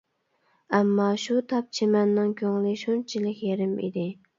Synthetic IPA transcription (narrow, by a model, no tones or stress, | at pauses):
ɛmːɑʃut̪ʰɑp̚t͡ʃʰemɛnːɨŋkʲoŋlˠiʃont͡ʃʰilɪkʲjeɾɪmḭd̪ɪ